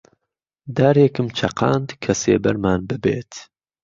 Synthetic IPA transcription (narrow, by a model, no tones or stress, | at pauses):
d̪aːɾekɨmt͡ʃʰɐqɑ̰ːnd̪kʰɐsḛːbɐɾmaːnbɨbḛːt̪